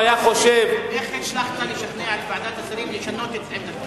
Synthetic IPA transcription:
ajaχo̞ʃeveχetʃlaχt̪anleʃaχneʕat̪baʕad̪at̪asaɾimleʃano̞t̪et̪t͡slema

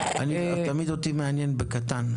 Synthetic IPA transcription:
a̰ni | t̪amid̪ot̪imeanjenbekat̪an

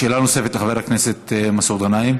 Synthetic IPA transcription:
ʃeːlanosefet̪laχaveɾhakneset̪masod̪anaim

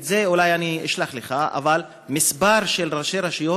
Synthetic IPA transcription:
ze̞ulajaniiʃlaχleχaʔa̰val | misbaɾʃelʁaʃeɾaʃijo

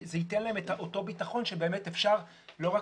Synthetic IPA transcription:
zeitenlae̞metaʔoto̞bitaχo̞nʃebe̞ːmetefʃaʁ | lo̞ʁa

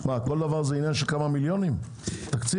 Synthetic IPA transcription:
mako̞ld̪avaʁzeinjanʃelkamamiljo̞nim | t̪akt͡si

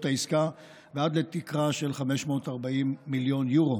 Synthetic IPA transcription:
t̪aiska | vead̪let̪ikʁaʃe̞lχame̞ʃmo̞ːt̪aʁbaimːiljo̞njuʁo̞

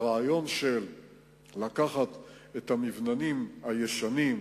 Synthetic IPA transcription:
ʁaːjo̞nʃelː | akaχat̪et̪amivnanimhajeʃanim

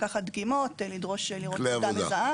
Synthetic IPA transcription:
kaχad̪ɡimotlidʁo̞ʃeliʁoleavdaoma̰zaa

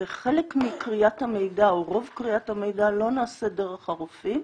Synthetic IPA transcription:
eχelekmikʁiathame̞jdaoʁo̞vkʁiathamejdalo̞naːsedeʁeχaʁufim

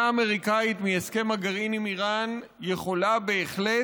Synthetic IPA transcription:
aːme̞ʁikait̪mieske̞maɡaʁinimiʁan | jeχo̞labeːχle

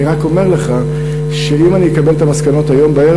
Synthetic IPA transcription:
iʁako̞me̞ʁle̞χa | ʃe̞imanijekabe̞lt̪amaskano̞tajo̞mbae

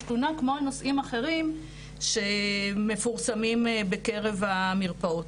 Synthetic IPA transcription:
lunakmoano̞simaχe̞ʁim | ʃe̞me̞fuʁsamimbeke̞ʁe̞vamiʁpaot

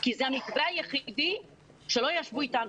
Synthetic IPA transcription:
kizehamikbeajeχidi | ʃe̞lo̞jaʃvuit̪anu

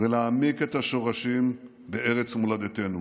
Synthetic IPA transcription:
velaːmiket̪haʃo̞ʁaʃim | beeʁet͡smulad̪et̪enu

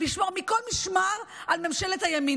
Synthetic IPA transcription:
liʃmoʁmiko̞lmiʃmaʁalmemʃe̞let̪hajami

